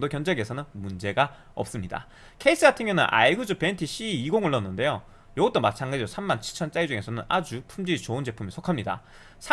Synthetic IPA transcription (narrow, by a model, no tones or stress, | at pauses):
dokjʌnd͡ʑeɡe̞sʰʌnɯnmund͡ʑe̞ɡa | ʌ̰p̚s͈ɯmɲida̰ | kʰeis͈ʰɯɡatʰɯŋjʌnɯ̰nʔa̰iɡud͡ʑupe̞ntʰiɕ͈ʰiːiɡoŋɯɭːʌnːɯnde̞jo | jʌɡʌt͈omat͡ɕʰanɡad͡ʑiosʰamːant͡ɕʰiɭt͡ɕʰʌnt͡ɕ͈ajd͡ʑuŋe̞sʰʌnɯnad͡ʑupʰumd͡ʑiit͡ɕound͡ʑe̞pʰumisʰokʰamɲida̰ | sʰa